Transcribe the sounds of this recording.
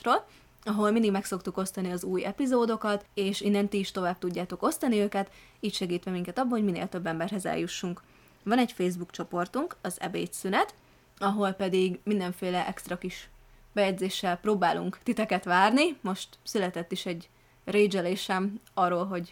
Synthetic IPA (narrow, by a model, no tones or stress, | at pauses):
roːl | ɒɦo̞lmind̪iɡmɛkso̞kt̪uko̞st̪ɒniɒzuːjɛpizoːd̪o̞kɒt̪eːʃinːɛnt̪iːʃt̪o̞vaːb̚t̪uɟːaːt̪o̞ko̞st̪ɒniøːkɛt̪iːcʃɛɡiːt̪ʋɛmiŋkɛt̪ɒbːɒɦo̞ɟminḛːlt̪ø̞bːɛmbɛrɦɛzɛ̰ljuʃːuŋk | vɒnɛcfeːzbukt͡ʃo̞po̞rt̪uŋkɒzɛ̰bḛːt̪synɛt̪ | ɒɦo̞lpɛd̪iɡmind̪ɛɱfeːlɛʔɛkst̪ɾɒkiʃ | bɛjɛɟzeːʃːɛlpɾoːbaːlṵŋkt̪it̪ɛkɛt̪ʋaːrnimo̞ʃt̪sylɛt̪ɛt̪ːiʃɛɟ | reːd͡ʒɛleːʃɛm | ɒrːoːlɦo̞ɟ